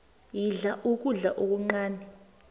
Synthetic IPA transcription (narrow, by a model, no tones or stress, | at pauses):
jiɮaʔuk̬ʼuɮaʔok̬uŋ͡ǀaːnɛ